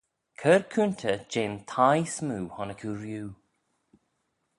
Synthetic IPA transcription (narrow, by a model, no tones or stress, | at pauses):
kʰəɹkʰunt̪ʰəd͡ʒent̪ʰajsmuːhɔnəkʰuːɾjuː